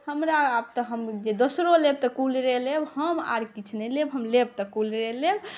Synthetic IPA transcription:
həmɾaːb̚t̪əɦəmd͡ʒed̪osɾoleb̚t̪əkulɾelebhəma̰ɾkit͡ʃʰnelebɦəmleb̚t̪əkulɾeleb

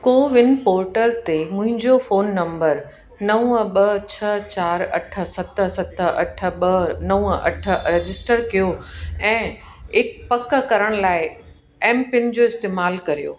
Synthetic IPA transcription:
koːʋɪnpoːɾʈəlt̪emʊ̃ɦɪ̃ɲd͡ʑofoːnːɐ̃mbəɾ | nɐũəɓɐt͡ɕʰɐt͡ɕaːɾɐ̰ʈʰə̆sɐt̪ə̆sɐt̪əɐʈʰə̆ɓɐnɐũɐ̰ʈʰə̆ɾed͡ʑɪsʈəɾkijoɛ̃ː | ɪkpɐkkɐɾəɽ̃laːɪ | ɛːmpɪn̆d͡ʑoːɪst̪eːmaːlkɐɾijo̰ː

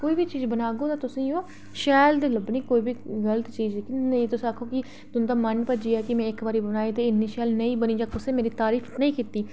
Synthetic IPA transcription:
koːiːbiːt͡ʃiːzbənaːɡoːt̪aːt̪ʊsĩːõː | ʃɛːld̪iːləbniːkoːiːbʱiːɣələt̪t͡ʃiːzkɪnəĩːt̪ʊsĩakʰːoːkɪ | t̪ʊnd̪aːməɳpəd͡ʒiːaːkɪmɛ̃ːɪkbaːɾiːbənaːeːt̪eːɪnːiːʃɛːlnəĩːbəniːd͡ʒãːkʊseːmeːɾiːt̪aːɾiːfʰnəĩːkiːt̪iː

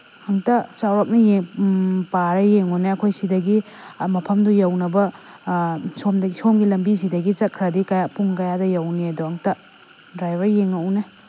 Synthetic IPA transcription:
ɐŋtɐt͡ʃawɾap̚nije | paɾɐjeŋɔneɐkʰojsidɐɡimɐpʰɐmdujawnɐbɐ | somdɡsomɡilɐmbis̬idɐɡit͡ʃɐt̚kʰɾɐdikajapuŋkɐjadɐjawniɐduɐŋtɐ | dɾajbɐɾjeŋane

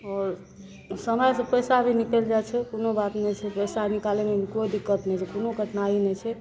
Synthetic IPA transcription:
ɔɾ | səməjsẽpəjsabʱinikɛld͡ʒat͡ʃʰɛkonobat̪net͡ʃʰɛpəjsabʱinikalemebʱikoid̪ikːət̪nɛt͡ʃʰɛkonoɡʱəʈnainɛt͡ʃʰɛ

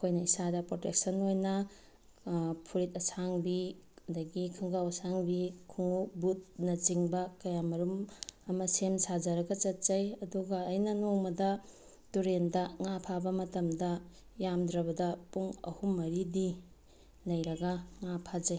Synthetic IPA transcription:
kʰojnɐisadɐpɾotek̚sɐnojnɐ | pʰuɾitɐsaŋbiɐdɐɡikʰɯŋɡawɐsaŋbikʰuŋubut̚nɐt͡ʃiŋbɐkɐjamɐɾumɐmɐsemsad͡ʒɐɾɐɡɐt͡ʃɐt̚zɐjɐduɡɐːjnɐnoŋmɐdɐ | tuɾendɐŋapʰabɐmɐtɐmdɐ | jamdɾɐbɐdɐpuŋɐ̰humːɐɾidi | lɐjɾɐɡɐŋapʰad͡ʒɐj

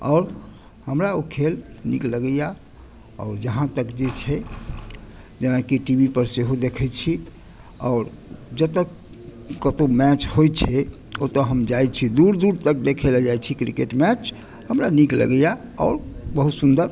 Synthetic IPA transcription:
ɔːɾ | həmɾaokʰelnikləɡəja | ɔ̰ːɾd͡ʒəɦãt̪əkd͡ʒet͡ʃʰɛ | d͡ʒenakiʈibipəɾseɦod̪ekʰɛt͡ʃʰi | ɔːɾ | d͡ʒət̪əkː | ət̪omɛt͡ʃhojt͡ʃʰɛ | ot̪ɔɦəmd͡ʒajt͡ʃʰid̪uɾd̪uɾt̪ək̚d̪ekʰelɛd͡ʒajt͡ʃʰikɾikeʈmɛt͡ʃʰ | həmɾaniklə̰ɡəjaɔ̰ːɾbəɦut̪sund̪əɾ

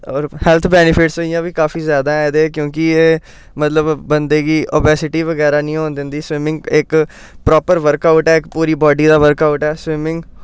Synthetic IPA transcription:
ɔːɾhɛlt̪ʰbɛːnɪpʰɪʈsoːijãːʋiːkaːfʰiːzjaːd̪aːɛ̃ːd̪eːkjõːk̬ɪeː | mət̪ləbːənd̪eːɡiːʔoːbɛːsɪʈiːʋəɡɛːɾaːnĩːɦõːnd̪ɪnd̪iːsʋɪmɪ̃ŋɡɪk | pɾɔːpəɾʋəɾkaʊʈɛːɪkpuːɾiːbɔːɖiːd̪aːʋəɾkaːʊʈɛːsʋɪmɪŋɡ

